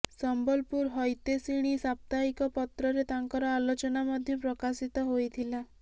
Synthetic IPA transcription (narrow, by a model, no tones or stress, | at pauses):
sɔmbɔlpuɾɦɔjt̪esiɽ̃isap̚t̪aikɔpɔt̪ɾɔɾet̪aŋkɔɾɔalot͡ʃɔnamɔd̪ʱjɔpɾɔkasit̪ɔɦojt̪ʰila